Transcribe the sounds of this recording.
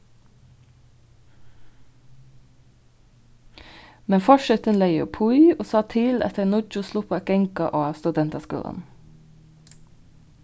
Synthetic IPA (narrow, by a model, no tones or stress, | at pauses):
mɛnfɔʃœt̪ənleɪjṵːpʰʊʏoːsɑːt̪ʰɪlʔɛ̰t̪əɾnʊt͡ʃʊsluːpʰoːɛkɛŋkɑʔoːɑst̪ʉd̪ɛnt̪ɑskṵːlə̰n